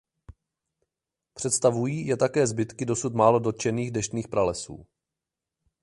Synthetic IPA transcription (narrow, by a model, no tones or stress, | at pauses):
pr̥ɛt̪st̪avujiːjɛt̪akɛːzbɪt̪kɪdo̞sut̪maːlo̞dot̪̚t͡ʃɛniːɣdɛʃt̪niːxpɾalɛsṵː